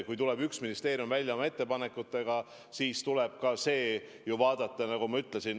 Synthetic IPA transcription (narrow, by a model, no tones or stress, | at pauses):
kujt̪ulebyksminist̪e̞ːɾijumvælʲjɑomɑe̞t̪ːe̞pɑne̞kːˑut̪ːˑe̞ɡ̥ɑ | siːst̪uleb̥̚kɑse̞ː | juvɑːd̪̥ɑt̪ːˑɑnɑɡumɑyt̪ːˑlesin